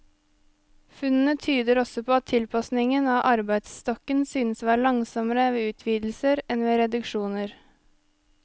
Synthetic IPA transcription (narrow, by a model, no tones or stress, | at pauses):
fʉnn̩ət̪ʰyːd̪əɾɔsɔpʰoːɑt̪ʰːɪlpʰɑsnɪŋənɑːʔɑɾbæɪd̪sst̪ɔkənsyːnəsʋɑːɭɑŋsɔməɾəʋeːʉːt̪ʰʋiːd̪l̩səɾɛnʋeːɾɛd̪ʉkʃuːnəɾ